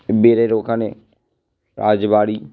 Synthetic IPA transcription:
beːɾeːɾoːkãːneː | ɾaːd͡ʒbaːɽiː

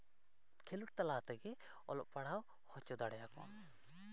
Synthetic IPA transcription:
kʰeluʈ̚t̪alat̪ɛɡɛ | ɔ̰lɔ̰ʔpaɽ̤aw | hɔt͡ʃɔd̪aɽjakɔ̰̃

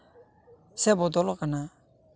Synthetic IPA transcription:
sebɔd̪ɔlɔkana

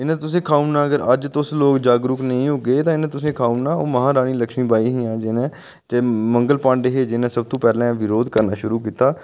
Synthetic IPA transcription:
ɪnãːt̪ʊsẽːkʰaːunãːəɡəɾəd͡ʒt̪ʊsloːkd͡ʒaːɡɾʊknəĩːɦoːɡeːt̪ãːɪnãt̪ʊsẽːkʰaːunãːoːməɦãːɾaːniːləkʃmĩːbaːiːɦĩãːd͡ʒɪnẽː | d͡ʒemə̃ŋɡəlpãːɳɖeɦeːd͡ʒɪnẽːsəb̚t̪õːpɛːlɛ̃ːʋɪɾoːd̪kəɾnaːʃʊɾuːkiːt̪aː

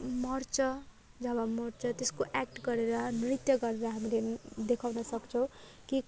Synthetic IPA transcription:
mʌrt͡sʌ | d͡zʌbamʌrt͡sʌt̪eskoʔak̚ʈɡʌɾeɾʌnirit̪jʌɡʌɾeɾʌɦamiled̪ekʰawnʌsʌkt͡sʰʌw̃ | ki

